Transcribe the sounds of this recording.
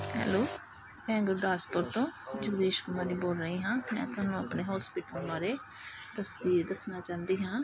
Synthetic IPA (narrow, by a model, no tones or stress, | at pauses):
ɦɛ̰ːloː | mɛ̃ːɡʊɾd̪aːspəɾt̪õːd͡ʒʊɡd̪eːʃkʊmaɾiːboːlɾəɦĩːɦãːmɛ̰̃ːt̪ʊaːnũːəpneːɦɔːspɪːʈəlbaːɾeː | d̪əsd̪iːd̪əsnaːt͡ʃãːnd̪iːɦãː